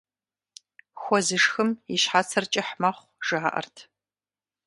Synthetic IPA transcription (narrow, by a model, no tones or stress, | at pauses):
xʷɔzɨʂxɨmjiʃħat͡sʰɐrt͡ʃʼɪħmaχʷʒ̥ɨaʔɐ̰rtʰ